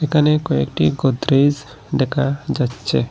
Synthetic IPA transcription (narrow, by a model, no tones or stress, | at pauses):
ekʰanekɔḛkʈiɡɔd̪ɾez | ɖ̪ɛkʰad͡ʒatːt͡ʃʰḛ